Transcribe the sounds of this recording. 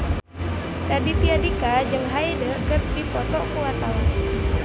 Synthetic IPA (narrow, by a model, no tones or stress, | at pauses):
dadit̪iadikad͡ʒəŋɦaedəkərdipɔt̪ɔkuwat̪awa